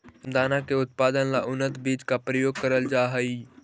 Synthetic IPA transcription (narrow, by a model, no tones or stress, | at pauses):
d̪aːnakeʊt̪̚paːd̪ənlaʔʊnːət̪biːd͡ʒkapɾəjoːɡ̚kəɾəld͡ʒaːɦəi